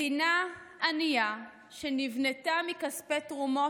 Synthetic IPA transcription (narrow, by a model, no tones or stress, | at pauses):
inaːnija | ʃenivnetamikaspetʁumo